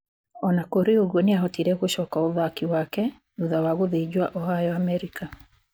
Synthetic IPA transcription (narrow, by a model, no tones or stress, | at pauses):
ɔnakoɾeoɣwoneaɦɔtiɾɛɣoɕɔkaoðakiwakɛ | nuðawaɣoðeid͡ʑwaʔɔhajɔamɛɾika